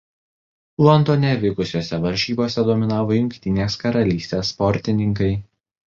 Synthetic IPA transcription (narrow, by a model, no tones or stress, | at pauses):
lˠɔnt̪oːnʲɛʋʲɪkʊsʲoːsʲɛʋɐɾʲʃʲiːboːsʲɛd̪oɔmʲɪnɑːʋoːjʊŋʲkʲt̪ʲɪnʲeːskɐɾɐlʲiːsʲt̪ʲeːsːpɔɾʲt̪ʲɪnʲɪŋkɐɪ